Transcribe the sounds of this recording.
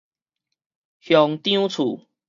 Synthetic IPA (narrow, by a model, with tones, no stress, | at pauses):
hjɔ˨˧˦ŋt̪j̃ũ˦t͡sʰu˨˩